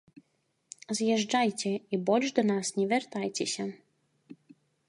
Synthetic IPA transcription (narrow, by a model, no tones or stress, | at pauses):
zjɛʐd͡ʐajt͡sʲɛibɔlʲʐd̪ɐnasnʲɛvʲɛrt̪ajt͡sʲɛsʲɐ